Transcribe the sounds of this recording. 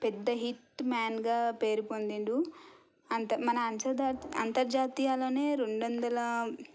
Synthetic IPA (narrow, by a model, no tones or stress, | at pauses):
pɛd̪ːɐɦiʈːmaːnɡaːpe̞ːɾipond̪iɳɖu | ɐnt̪ɐmɐnɐːnsɐd̪aɐ̰nt̪ɐɾd͡ʒaːt̪iːjaːlo̞ːne̞ːɾeɳɖʋɐnd̪ɐlɐ